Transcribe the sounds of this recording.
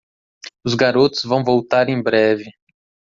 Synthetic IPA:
ʊzɡaɾot̪ʊ̥zvɐ̃w̃vowt̪aɾẽj̃bɾɛvɪ

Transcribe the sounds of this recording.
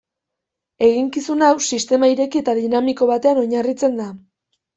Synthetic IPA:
e̞ɣiŋkisunawsist̪e̞maiɾe̞kie̞t̪aðinamiko̞β̞at̪e̞ano̞ɲarit͡se̞nd̪a

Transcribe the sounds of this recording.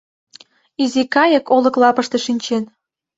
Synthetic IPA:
izikɑjəkoləklɑpəʃt̪eʃinʲt͡ɕen

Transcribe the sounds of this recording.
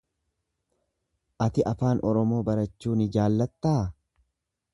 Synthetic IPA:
ʔɐt̪ɪʔɐfaːnʔɔɾɔmo̞ːbɐɾɐt͡ʃːuːnɪd͡ʒaːlːɐt̪ːaː

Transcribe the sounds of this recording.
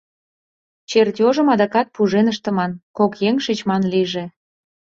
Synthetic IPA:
t͡ɕert̪ʲoʒə̆mɑd̪ɑkɑt̪̚puʒenəʃt̪ə̆mɑnkokjeŋʃit͡ɕmɑnliʒe

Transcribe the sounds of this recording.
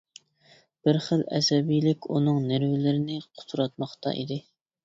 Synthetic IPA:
b̥ɪɾχəlɛ̰sɛbijlɪkʲunɨŋnɪɾvɪlɪɾɪnɪqʰʊ̥t̪ʰuɾɑt̪̚mɑχt̪ɑ̰ʔḭd̪ɪ

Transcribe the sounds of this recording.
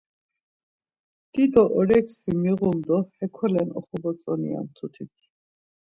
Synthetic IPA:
d̪̥id̪ɔʔɔɾɛksimiɣuld̪ɔhɛkʰɔlɛnɔχɔbɔt͡sʼɔnḭa̰nt̪ʰut̪ʰik̪ʰi̥

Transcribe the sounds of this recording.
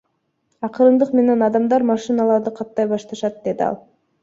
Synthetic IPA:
ɑqɯɾɯnd̪ɯqme̞ne̞nɑd̪ɑmd̪ɑɾmɑʃɨnɑlˠɑɾd̪ɯqʰɑt̪ːɑjbɑʃt̪ɑʃɑt̪̚d̪e̞d̪iɑ̰lˠ

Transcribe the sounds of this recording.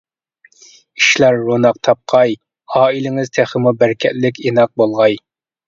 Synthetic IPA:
iʃlæɾːonɑq̚t̪ʰɑp̚qʰɑj | ɑːilɪŋɪz̥t̪ʰæχəmubæɾkʲʰɛ̰ʔlɪk̬ʲenɑq̚bolˠʁɑj

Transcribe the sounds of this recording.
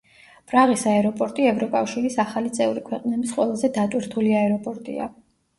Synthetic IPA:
pʼɾaʁisaɛɾɔpʼɔɾt̪ʼiɛvɾɔkʼafʃiɾisaχalit̪sʼɛuɾikʰwɛqʼnɛbisqʼwɛlˠazɛd̪at̪ʼwiɾt̪ʰuliaɛɾɔpʼɔɾt̪ʼḭa̰

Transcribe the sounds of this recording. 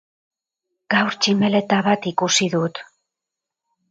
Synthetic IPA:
ɡ̥awɾt͡ʃime̞le̞t̪aβat̪ikusiðut̪

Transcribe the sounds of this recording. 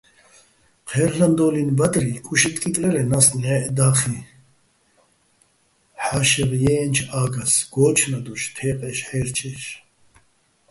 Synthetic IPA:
qʰɛɾland̪ɔlinbad̪ɾikʼuʃit̪ʼkʼit̪ʼlɛɾɛnasnɛʔd̪aːχi | ħaʃɛɾjɛːnt͡ʃʰaːɡasɡ̥ɔːt͡ʃʰnad̪uʃt̪ʰɛːqʼɛʃħɛːɾt͡ʃʰɛʃ

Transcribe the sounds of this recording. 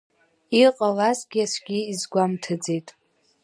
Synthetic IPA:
iqʼalazɡʲiasʷɡʲiːzɡʷamtʰɨd͡ze̞jtʼ

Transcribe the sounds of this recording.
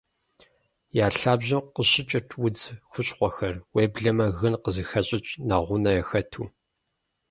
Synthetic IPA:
jaːɬaːbʑɪmqəɕɪt͡ʃʼɪrtʰwʊd͡zxʷʊɕʼqʷɔxɐrweːbɮɐmɐɣɨnqəzɨxɐɕʼɪt͡ʃʼnɐʁʷʊnɐjɛxɐtʰuː

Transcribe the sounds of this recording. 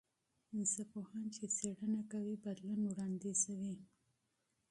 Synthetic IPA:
ɪnsapohɑnt͡ʃet͡seɽənakawibad̪lunwɽɑnd̪izawi

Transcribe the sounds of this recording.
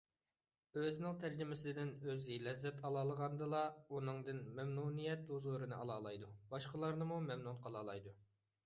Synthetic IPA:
øznɪŋt̪ʰæɾd͡ʒɪmɪsɪɪd̪ɪnøzɡilɛzːɛt̪ʰɑlˠɑːlˠəʁɑnd̪ɨlˠɑunɨŋd̪ɨnmɛmnunijɛt̪̚uzuɾɨnɨʔɑlˠɑːlˠɑjd̪ubɑʃqəlˠɑɾnɨmumɛmnunqʰɑlˠɑːlˠɑjd̪u

